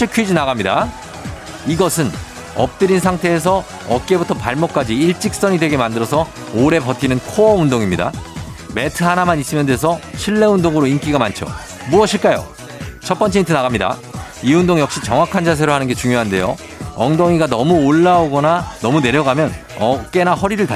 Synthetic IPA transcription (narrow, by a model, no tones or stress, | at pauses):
ɕʰikʰɥid͡ʑinaɣamɲida | iɡʌsʰɯn | ʌp̚t͈ɯɾinsʰaŋtʰe̞ːs̬ʰʌ | ʌt̚k͈e̞butʰʌpaɭmok̚k͈ad͡ʑiiɭt͡ɕ͈ik̚s͈ʌɲidwe̞ɡe̞mandɯɾʌsʰʌ | oɾe̞pʌt͈̚ʰinɯnkʰoʌundoŋimɲida̰ | me̞tʰɯɦanamanis͈ɯmjʌndwe̞s̬ʰʌɕʰiɭːe̞undoŋɯɾoink͈iɡamant͡ɕʰo̰ | muʌɕʰiɭk͈ajo̰ | t͡ɕʰʌp͈ʌnt͡ɕeitʰɯnaɣamɲida̰iundoŋjʌk̚ɕ͈it͡ɕʌŋwakʰand͡ʑas̬ʰe̞ɾoɭhanɯnɡe̞t͡ɕuŋjoɦande̞jo̰ | ʌŋdoŋiɡanʌmuoɭːaoɡʌnanʌmune̞ɾjʌɡamjʌn | ʌk̚k͈e̞nahʌɾiɾɯɭta